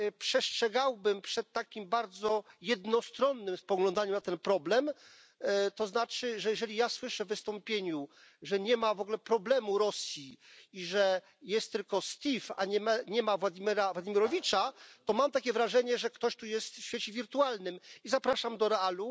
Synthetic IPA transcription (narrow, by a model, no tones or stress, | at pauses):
pʂɛstʂɛɡawbɘmpʂɛt̪ːakʲimbaɾd̪zɔjɛd̪nɔst̪ɾɔnːɘmspɔɡlɔnd̪aɲunat̪ɛnpɾɔblɛm | t̪ɔznat͡ʂɘʐɛjɛʐɛlʲijaswɘʂɛvːɘst̪ɔmpʲjeɲu | ʐɛɲɛmavɔɡlɛpɾɔblɛmuɾɔsʲjiiʐɛ | jɛst̪ːɘlkɔst̪ʲifa̰ɲɛmɛɲɛmavwad̪ʲimʲɛɾawad̪ʲimʲjɛɾɔvʲit͡ʂat̪ɔmamt̪akʲɛvɾaʐɛɲɛʐɛkt̪ɔɕt̪ujɛst̪fɕfʲet͡ɕɛvʲiɾt̪ualnɘmizapɾaʂamd̪ɔɾɛalu